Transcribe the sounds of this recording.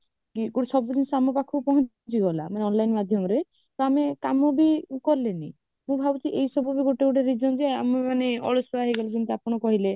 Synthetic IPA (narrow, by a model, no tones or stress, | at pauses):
kiɡoɽisɔbɔd̪inɔsamɔpakʰɔpɔɦɔ̃ | t͡ʃiɡɔla̰maneɔnlajnmad̪ʱjɔmɔɾe | t̪ɔamekamɔbikɔɾlenḭ | mũbʱabɔt͡ʃʰiʔejsɔbɔbiɡoʈekuʈaɾid͡ʒɔnd͡ʒea̰memaneɔ̰ɭɔsɔaɦeɡɔled͡ʒɔnt̪iapɔɽ̃ɔkɔɦile